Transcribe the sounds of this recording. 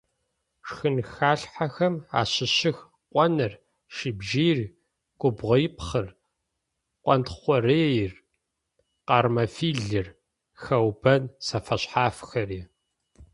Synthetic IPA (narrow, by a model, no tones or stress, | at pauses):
ʂxɨnxaːɬħaxɐma̰ːɕɪɕɪx | qʷʼɔnɨr | ʃibʒiːr | ɡʷʊbʁɐjɪpχɨr | qʷʼɔntχʷɔreːjr | qɑːrmɐfiːɮɨr | xɐwbɐnsɐfɐɕħaːfxɐriː